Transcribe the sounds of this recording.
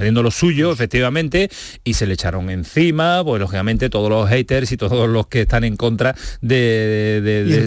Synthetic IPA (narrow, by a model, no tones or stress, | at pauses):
aljend̪olo̞suʝo̞efe̞k̚t̪iβamẽnt̪e̞ise̞le̞t͡ʃaɾo̞ŋe̞n̟θimapwe̞slo̞xikamẽ̞nt̪e̞t̪o̞ð̞o̞zlo̞ɦejt̪e̞ɾsit̪o̞ðozlo̞ske̞st̪aŋẽ̞ŋko̞nt̪ɾaðe̞ðeðe